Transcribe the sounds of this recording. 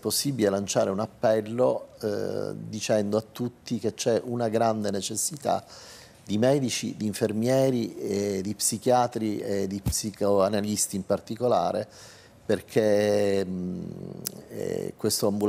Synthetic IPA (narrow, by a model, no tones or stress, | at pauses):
posːibilelant͡ʃaːɾeunapːɛlːo | d̪it͡ʃɛnd̪oat̪ːut̪ːik̟et͡ʃːɛʔunaɡɾand̪enet͡ʃesːit̪a̰ | d̪imɛːd̪it͡ʃḭd̪iːɱfermjɛːɾied̪ipsik̟jaːt̪ɾied̪ipsikoanalist̪iːmpart̪ikola̰ːɾe | perkʰe | kwest̪oambul